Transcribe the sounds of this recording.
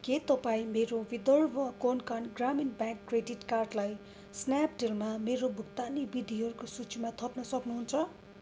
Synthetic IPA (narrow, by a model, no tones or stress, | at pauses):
ket̪ʌpaĩmeɾowid̪ʌrbʌkonkanɡraminbãkːreɖiʈkarɖlaj | snap̚ɖelmameɾobʱukt̪anibid̪ʱiɦʌɾukosut͡sʰimat̪ʰʌpnʌsʌknuɦunt͡sʰʌ